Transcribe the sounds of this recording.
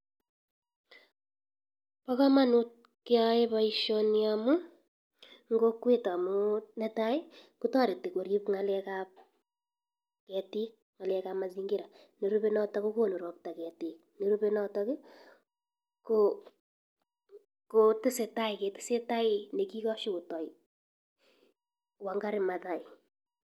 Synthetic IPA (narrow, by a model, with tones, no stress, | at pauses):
pa˦ka˦ma˦nu˦t̚ | kɪ˦a˦e˦βa˦iʃɔ˦niamu˦ | ŋɡo˦kwe˦ta˨mu˦ne˦ta˦i˦ku˦tɔ˦ɾe˨te˨ko˨ɾi˦pŋa˦lɛ˦kap̚ | kɛ˨ti˦ | ŋa˨lɛ˦kama˨ziŋɡi˦ɾa˨ | ne˨ɾu˦pe˦nɔ˦tɔ˦ko˦ko˦no˨ɾɔ˨k̚ta˨kɛ˨ti˨ | ne˨ɾu˦pe˦nɔ˦tɔ˦kɪ˦ | ko | ko˨tɪ˦se˨ta˦ɪ˨ke˨tɪ̥˦se˦ta˦ɪ˦ne˨ki˦kɔ˦ʃi˦ku˨tɔ˨i˨ | wa˨ŋɡa˦ɾɪ˨ma˨ta˨i˨